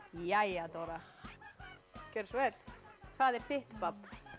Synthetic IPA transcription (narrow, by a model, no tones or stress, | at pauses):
jajat̪oɾa | cɛɾsvɛt̪kʰvaðɛɾ̥fɪht̪papː